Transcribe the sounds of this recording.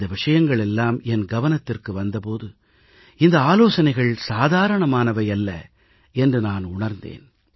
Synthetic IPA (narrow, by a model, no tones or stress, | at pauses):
d̪ɐʋɪʂɐjɐŋɡɐɭɛlːaːmɛnɡɐʋɐnɐt̪ːɪrkɯʋɐnd̪ɐpoːðɯ | ɪnd̪ɐaːloːsɐnɐɪɣɐɭsaːðaːɾɐɳɐmaːnɐʋɐjɐlːɐ̰ | ɛndrɯnaːnʊɳɐɾnd̪ḛːn